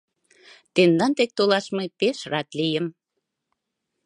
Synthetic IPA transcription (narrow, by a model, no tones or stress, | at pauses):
t̪end̪ɑnt̪ek̚t̪olɑʃmepeʃrɑt̪lijəm